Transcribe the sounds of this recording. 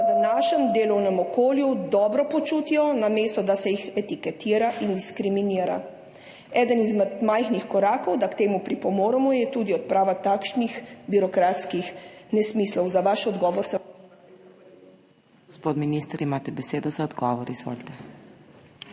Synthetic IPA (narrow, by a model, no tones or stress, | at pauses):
ad̪anaːʃɛmd̪eːlɔwnɛmɔkoːljud̪ɔːbɾɔpɔt͡ʃuːt̪iɔnameːst̪ɔd̪asɛjixɛt̪ikɛt̪iːɾaʔind̪iskɾiminiːɾa̰ | ɛːd̪ənizmɛt̪majxnixkɔɾaːkɔwd̪akt̪eːmupɾipɔmoːɾɛmɔjɛt̪uːd̪iɔt̪̚pɾaːʋat̪akʃnixbiɾɔkɾat̪skixnɛsmiːslɔwzaʋaʃɔd̪ɡɔːʋɔɾsɛ | ɡospoːt̪minist̪əɾimaːt̪ɛbɛseːd̪ɔzaɔd̪ɡɔːʋɔɾizʋo̰ːlt̪ɛ